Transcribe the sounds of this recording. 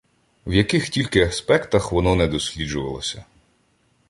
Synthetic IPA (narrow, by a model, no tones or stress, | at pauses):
wjɐkɪxtʲilʲkɪɐspɛkt̪ɐxʋɔnɔnɛd̪ɔsʲlʲid͡ʒʊʋɐ̰lˠɔsʲɐ